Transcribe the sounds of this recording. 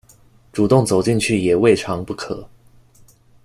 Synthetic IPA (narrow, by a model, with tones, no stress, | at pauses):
ʈ͡ʂu˨˩t̪ʊ˥˩ŋt͡so˨˩ʊt͡ɕi˥˧ŋt͡ɕʰy˥˩jɛ˨˩we˥˩ɪʈ͡ʂʰɑ˧˥ŋpu˥˩kʰɤ˨˩˦